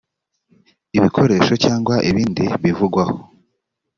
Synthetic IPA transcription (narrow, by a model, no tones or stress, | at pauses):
iβikʰo̞ɾe̞ːʃo̞caːŋɡwaʔiβiːndiβivuɡwaho